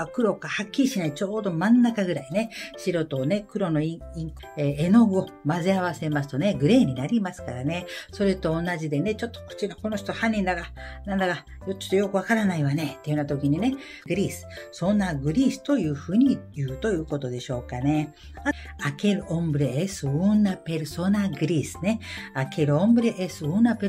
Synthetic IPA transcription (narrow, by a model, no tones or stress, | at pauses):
kɯ̟ɾo̞kahakʲːiɾʲiɕinait͡ɕo̞ːd̪o̞mãnːakaɡɯ̟ɾaine̞ɕiɾo̞t̪o̞ːne̞kɯ̟ɾo̞no̞iĩŋk | eeno̞ɡɯ̟o̞mazeaβase̞masɨ̥t̪o̞ne̞ɡɯ̟ɾe̞ːɲ̟inaɾʲimasɨ̥kaɾane̞so̞ɾe̞t̪o̞ːnaʑid̪e̞ne̞t͡ɕo̞t̪ːo̥ko̥t͡ɕiɾoko̞noɕo̥t̪ohãɲʲːĩnd̪aɡanãnd̪aka | jot͡ɕo̥t̪ːojo̞kɯ̟βakaɾanaiβanet̪ːejɯ̟nat̪o̞kʲiɲ̟ine̞ | ɡɯ̟ɾʲiːsɨ̥so̞naɡɯ̟ɾʲiːsɨ̥t̪o̞jɯ̟ːɸɯ̟ːɲ̟ijɯ̟ːt̪o̞jɯ̟ːko̞t̪o̞d̪e̞ɕo̞ːkane̞ | a | ake̞ɾɯ̟õ̞mbɯ̟ɾeesɨɯnːape̞ɾɯ̟so̞naɡɯ̟ɾʲiːsɨ̥ne̞akʰe̞ɾɯ̟õ̞mbɯ̟ɾeʔesɨɯnape